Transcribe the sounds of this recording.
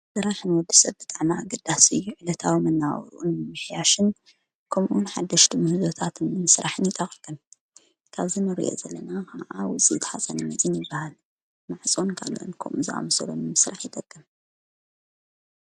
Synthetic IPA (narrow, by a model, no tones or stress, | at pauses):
sɨɾaħnwɔd̪ːisɐβbɨt̪ʼaʕmaaɡɐd̪asɨjːuʕɨlɐt̪ʰawimɨnːaʔɾʔunnɨmɨħjaʃɨn | kʰomʔunħad̪ːɐʃt̪ɨmɨhɨzo̞t̪ʰat̪ʰnːɨmɨsɾaħɨnjɪt̪ʼɐχʼɡɐm | kʰaβzinɨɾḭʔo̰zɐlːɐnakʰaʕawɔt͡sʼḭt̪ʰħasʼɐnɨmɐzʼɨnjɪbːahal | maʕt͡sʼonkʰaloʔnkʰɐ̰mʔuzɨʔa̰mɐsɐlonɨmɨsɾaħjɪt̪ʼɐɡ̥ʼɨm